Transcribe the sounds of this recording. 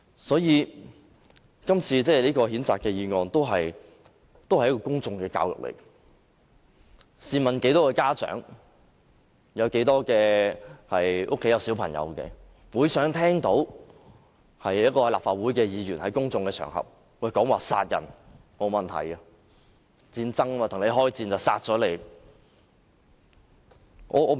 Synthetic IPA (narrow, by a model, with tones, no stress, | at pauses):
sɔː˨˥jiː˧ | kɐ˥mt͡sʰiː˧t͡sɛː˥˩liː˥kɔː˧hiː˨˥nt͡saː˨kɛː˧jiː˧ŋɔː˨˧nt̪o˥wɦɐ˨j | t̪o˥whɐ˨jkɔː˧˥kʊ˥ŋt͡sʊ˧ŋkɛː˧ka̰ː˧wjʊ̰˨k̚lḛ˨˩j | siː˧mɐ˨˩nke˨˥jt̪ɔː˥kɛː˧kaː˥t͡ʃœ̰ː˨˥ŋ | jɐ˨˧wke˨˥jt̪ɔː˥kɛː˧hɐ˨jʔʊ̰˥kʰːe˨˥jɐ˨˧wsiː˨˥wpʰɐ˨˩ŋjɐ̰˨˧wkɛ̰˧ | muː˨˥jsœː˨˥ŋt̪ʰɛː˥ŋt̪o˨˥w | hɐ˨jjɐ˥t̚kɔː˧laː˨˩pfaː˨t̚wu˨˥jkɛː˧jiː˨˧jyː˨˩nhɐ˨˥jkʊ˥ŋt͡sʊ˧ŋkɛː˧t͡ʃʰœ̰ː˨˩ŋɦɐ̰˨p̚ː | ɔ˨˩jkɔː˨˥ŋwaː˨sa̰ː˧t̚jɐ̰˨˩n | mo˨˧wmɐ˨˩nt̪ʰɐ̰˨˩jɐ˧ | t͡siː˧nt͡sɐ˥ŋ˧maː˨t̪ʰʊ˨˩ŋne˨˧jɦɔː˥jt͡siː˧nt͡sɐ˨˩wsa̰ː˧t̚t͡sɔː˨˥le˨˧j | ʔɔ̰ː˨˧ɔː˨˧